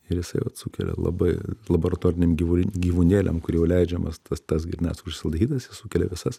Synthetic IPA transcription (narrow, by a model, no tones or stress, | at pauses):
ɪɾjɪsɐɪʋɐt̪sukʲɛ̰lʲɛ̰lˠɐ̰bɐɪlˠɐboːɾɐt̪oːɾʲɪnʲemɡʲiːʋʊɡʲiːʋunʲeːlʲʔɛ̰mkʊrʲjɛʊlʲɛɪd͡ʒʲɛmɐst̪ɐst̪ɐs̬ɡʲɪɾʲnʲæ̰ːsʊʃʲsʲɪlˠd̪ɐiːt̪ɐsjɪssukʲɛlʲɛ̰ʋʲɪsɐs